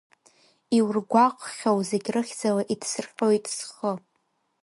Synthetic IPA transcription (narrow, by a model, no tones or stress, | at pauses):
iwrɡʷaqʷʼχʲawze̞ɡʲrɨχʲd͡zalaʔidsɨrqʲowjtʼsχə